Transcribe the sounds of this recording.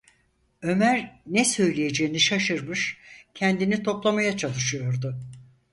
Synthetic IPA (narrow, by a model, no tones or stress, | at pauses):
ø̞mæɾnɛsø̞jlʲiejed͡ʒejiniʃaʃɯɾmɯʃcʰɛnd̪init̪ʰo̞plˠamajat͡ʃʰalˠɯʃɯjo̞ɾd̪ʊ